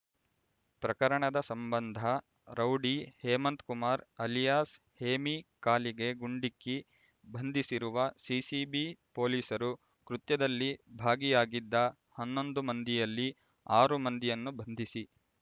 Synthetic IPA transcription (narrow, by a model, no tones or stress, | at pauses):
pɾɐkɐɾɐɳɐd̪ɐsɐmbɐnd̪ʱɐ | ɾɐwɖihɛːmɐnt̪kumaːɾɐlijaːs | heːmikaːliɡe̞ɡuɳɖikːi | bʱɐnd̪ʱisiɾuʋɐsiːsibipo̞ːliːsɐɾu | kɾut̪jɐd̪ɐlːibʱaːɡijaːɡid̪ːɐ | hɐnːo̞nd̪umɐnd̪ijɐlːi | aːɾumɐnd̪ijɐnːubʱɐnd̪ʱisi